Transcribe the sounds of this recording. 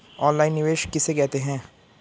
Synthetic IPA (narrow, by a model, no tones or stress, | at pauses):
ɔ̃ːnlaːɪnːɪʋeːʃkɪsekɛɦt̪eɦɛ̃ː